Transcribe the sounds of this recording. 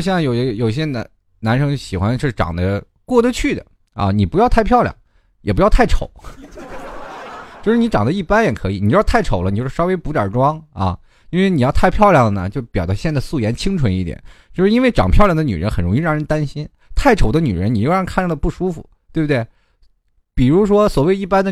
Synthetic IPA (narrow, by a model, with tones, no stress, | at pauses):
ɕɛ˥a˥˩jo˨˩ʊ˧˥˧jo˨˩ʊi˧ɕjɛ˥na̰˧˥ | na˧˥nʂɤ˧˥ŋ˩ɕi˨˩xwa˥nə˧ʂɻ̩˥˩ʈ͡ʂɑ̰˨˩ŋd̪ə˦ | kwɔ˥˩d̪ə˧t͡ɕʰy˥˩d̪ə̰˩ | ɐ̰˥˧ni˨˩pu˧˥jɑ˥ʊt̪ʰa˥˧ɪpʰjɑ˥˧ʊljɑ̰˨˩ŋ | jɛ˨˩p̬jɑ˥˧ʊt̪ʰa˥˩ɪʈ͡ʂʰo˨˩˦ʊ | t͡ɕjo˥˧ʂɻ̩˥˩ni˧˥ʈ͡ʂɑ˨˩ŋd̪ə˦i˥˩pa˥njɛ˨˩kʰɤ˧˥i˨˩ni˨˩t͡ɕt̪ʰa˥˩ɪʈ͡ʂʰo˨˩ʊlə˦i˨t͡ɕo˥˧˩ʂɻ̩˥˧ʂɑ˥ʊwe˥ɪpu˧˥jɑ̰˞˨˩ʈ͡ʂwɑ˥ŋɐ̰˧˩ | i˥nwe˥˩ɪni˨˩jɑ˥˧ʊt̪ʰa˥˧ɪpʰjɑ˥˧ʊljɑ˥˩ŋd̪ə˩nə̰˩t͡ɕjo˥˩ʊpjɑ˨˩d̪ə˧˥ɕjɛ˥˧nt͡sa˥˧ɪsu˥˩jɛ˧˥nt͡ɕʰi˥ŋʈ͡ʂʰwə˧˥ni˥˩t̪jɛ̰˨˩˦nt͡ɕjo˥˧ʊʂɻ̩˥˧i˥nwe˥˩ɪʈ͡ʂɑ˨˩ŋpʰjljɑ˥˩d̪ə˦ny̰˨˩ɻə̰˧˥nxə˨˩nɻʊ˧˥ŋi˥˧ɻɑ˥˩ŋɻə˧˥nt̪a˥nɕi˥n | t̪ʰa˥˩ɪʈ͡ʂʰo˨˩ʊd̪ə˦ny˨˩ɻə˧˥ni˨˩jo˥˧ʊjŋkʰa˥˩n˥˩d̪ə˩pu˥˩ʂu˥fṵ˨˩ | t̪we˥˧bə˩d̪we˥˩ɪ | pi˨˩ɻu˧˥ʂwɔ˥swɔ˨˩we˥˧ɪi˥˩pa˥nd̪ə˨